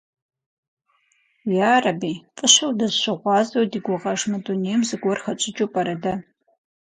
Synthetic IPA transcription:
jaːrɐbiːpʼɨɕɐwdɐzʃʷɨʁʷɑːzɐwdiɡʷʊʁɐʂmɐdunejmzɨɡʷɔrχɐt͡ʃʷʼɪt͡ʃʼupʼɐɾɐdɐ

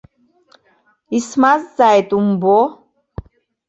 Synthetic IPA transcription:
ismazːajet̪umbo

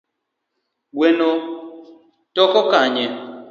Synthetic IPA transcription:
weno | tɔkɔkaɲɛ

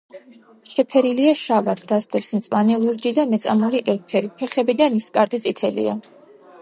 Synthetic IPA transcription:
ʃɛpʰɛɾiliaʃavat̪ʰd̪̥asd̪ʼɛpsmt̪sʼmanɛlˠuɾd͡ʒid̪amɛt̪sʼa̰muliʔɛlpʰɛɾipʰɛχɛbid̪aniskʼaɾd̪ʼit̪sʼit̪ʰɛlḭa̰

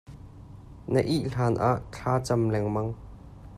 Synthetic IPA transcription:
nəʔiʔɬaːnʔaʔt͡ɬʰaːt͡sɐmlɛŋmɐŋ

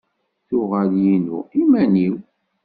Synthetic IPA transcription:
θʊʁəljinṵimæniw

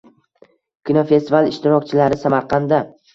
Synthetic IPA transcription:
kʲinofe̞st̪ʰivalˠɪʃt̪ɪɾɒkʲt͡ʃʰɪlaɾɪsamaɾqʰɑnd̪a

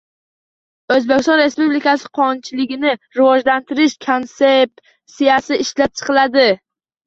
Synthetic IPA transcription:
ɵzbekʲɪst̪ɒ̃nɾe̞spublikasɪ̥qʰɒnt͡ʃʰɪlɪɡʲɪnɪɾɪvɒʒlant̪ʰɪɾɪʃkʰonset̪ | sijasɪɪʃlap̚t͡ʃʰɨ̥qɨlad̪ɪ

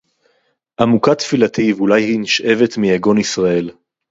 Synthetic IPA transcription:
ʔamukat̪filat̪ivulajhiniʃʔe̞ve̞tmijaɡonisʁae̞l

